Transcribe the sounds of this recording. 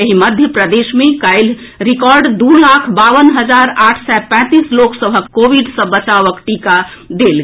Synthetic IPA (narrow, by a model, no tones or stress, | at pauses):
eɦiməd̪ʱjəpɾəd̪esmekəɪl | ɾikɔɾɖd̪ulakʰbaʋənɦəd͡ʒaɾaʈʰsɛpɛ̃t̪isloksəbʱəkːobiɖsə̃bət͡ʃaʋəkʈikad̪el